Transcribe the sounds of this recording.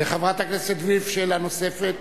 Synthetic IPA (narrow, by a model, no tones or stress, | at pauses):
eχavʁat̪akneset̪vifʃelano̞sefet̪